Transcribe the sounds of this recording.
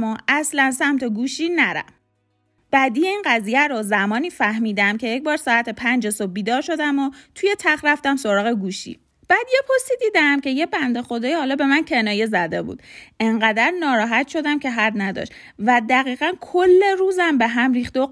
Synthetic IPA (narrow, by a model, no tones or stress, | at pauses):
moʔæslænsæmt̪ʰe̞ɡuːʃiːnæɾæ̰f | b̥æd̪iːjeiːnɢæzijæɾozæmɒːniːfæhmiːd̪æmcʰe̞jecbɒːɾsɒːæt̪ʰe̞pʰænd͡ʒe̞so̞b̚biːd̪ɒːɾʃo̞d̪æmot̪ʰuje̞t̪ʰæχɾæft̪æmso̞ɾɒːɣe̞ɡuːʃḭ | b̥æːd̪je̞pʰost̪iːd̪iːd̪æmcʰe̞je̞bænd̪e̞xo̞d̪ɒːjihɒːlɒːbe̞mæncʰe̞nɒːje̞zæd̪e̞bṵːd̪̥eŋɢæd̪æɾnɒːɾɒːɦæt̪ʃo̞d̪æmcʰe̞ɦæd̪næd̪ɒ̰ʃt̪ | væd̪æɣiːɣænkʰolːe̞ɾuːzæmbe̞ɦæmɾiːxt̪o